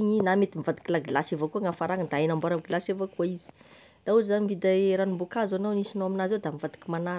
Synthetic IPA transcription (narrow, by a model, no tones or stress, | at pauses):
iɲinamet̪imivad̪i̥kilaɡilasevakuaŋafaɾaŋəd̪aenambaɾaɡilasevakuaizi̥ | d̪̥auzizanimvid̪aɾanumbukazanawnisinoaminazed̪amivad̪̥i̥kimana